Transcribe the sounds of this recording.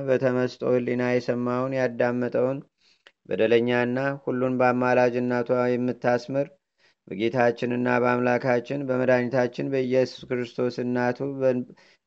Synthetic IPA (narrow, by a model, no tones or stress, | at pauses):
bət̪ʰəməst̪ʼo̞̰hɨlinajɛsəmːawnjad̪ːamːət̪ʼəwn | bə̰d̪ələɲːanːahulːunbəamːalad͡ʒɨnːat̪ʰuajɛmːɨt̪ːasmɨɾ | bəɡe̞t̪ʰat͡ʃːɪnɨnːabəamlakʰat͡ʃːɪnbəməd̪aɲːɪt̪ʰat͡ʃːɪnbəɨjːɛsu̥skɨɾɨst̪ʰo̞sɨnːat̪ʰuə